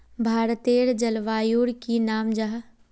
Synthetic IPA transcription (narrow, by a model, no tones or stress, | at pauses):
bʱaːɾt̪eːɾd͡ʒɐlʋaːjuːɽkinaːmd͡ʒaɦ